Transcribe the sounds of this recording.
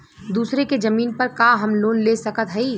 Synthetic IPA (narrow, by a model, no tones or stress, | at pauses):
d̪uːsɾekezɐmiːnpɐɾkaːɦɐmloːnlesɐkət̪ɦɐi